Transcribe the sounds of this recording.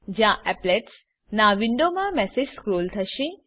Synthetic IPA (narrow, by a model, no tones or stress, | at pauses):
d͡ʒjãʔɛpleʈs | naʋɪɳɖomãmɛsed͡ʒskɾoːlt̪ʰəʃe